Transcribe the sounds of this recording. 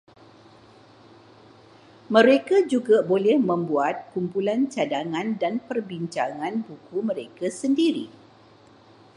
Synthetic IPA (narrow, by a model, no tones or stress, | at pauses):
mə̃ɾekad͡ʒuɡabolɛhmə̃mbuat̪̚kumpulant͡ʃadaŋãndanpərbiɲt͡ʃaŋãnbukumə̃ɾekasəndiɾḭ